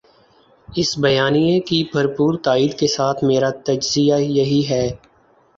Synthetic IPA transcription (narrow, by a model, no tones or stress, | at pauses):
ɪsbɐjaːnijẽkibʱɐɾpuːɾt̪aːiːd̪kesaːt̪ʰmeːɾat̪ɐd͡ʒzɪjajɐɦiɦɛː